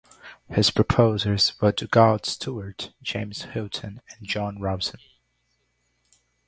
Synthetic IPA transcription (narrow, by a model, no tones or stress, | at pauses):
hɪz̥pʰɹ̥ɨpʰoʊzəlˠz̥wə˞tʰɨɡɑlˠd̥stʰuə˞tʒ̥ẽɪ̃mz̥hɪlˠtʰɨ̃nɨ̃nd͡ʒɑ̃nɹɑb̥sə̃n